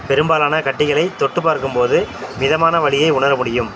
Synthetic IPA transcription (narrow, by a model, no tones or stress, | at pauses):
pɛɾɯmbaːlaːnɐkɐʈːɪɣɐɭɐɪt̪ːɔʈːɯpːaːɾkɯmpoːðɯmɪðɐmaːnɐʋɐɭɪjɐɪʊɳɐɾɐmʊɽɪjɯm